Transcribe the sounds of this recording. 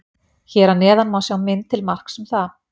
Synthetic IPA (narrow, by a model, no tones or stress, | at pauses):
çɛːɾanɛːðanmaːwsjawmɪnt̪ʰɪlmar̥ksʏmθa